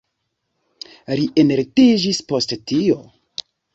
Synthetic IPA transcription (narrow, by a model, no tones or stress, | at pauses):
ɾiʔeneɾtid͡ʒispo̞sttio̞